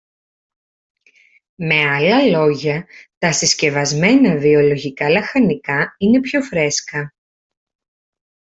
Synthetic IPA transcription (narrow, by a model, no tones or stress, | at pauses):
me̞ɐlɐlo̞ʝɐt̪ɐsisce̞vɐzme̞nɐvio̞lo̞ʝikɐlɐxɐnikɐine̞pço̞fɾe̞skɐ